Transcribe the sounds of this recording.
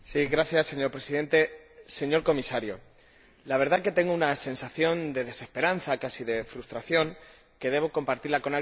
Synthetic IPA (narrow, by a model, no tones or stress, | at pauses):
siɣɾaθjasːe̞ɲo̞ɾpɾe̞siðe̞nt̪e̞se̞ɲo̞ɾko̞misaɾjo̰ | laβ̞e̞ɾð̞aket̪e̞ŋɡounase̞nsaθjo̞nd̪e̞ð̞e̞se̞spe̞ɾanθakasiðe̞fɾust̪ɾaθjo̞ŋ | ke̞ðe̞β̞o̞ko̞mpaɾt̪iɾlako̞na